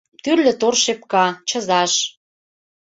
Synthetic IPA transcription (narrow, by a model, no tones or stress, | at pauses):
t̪yrlɘ̆t̪orʃep̚kɑt͡ɕə̆zɑʃ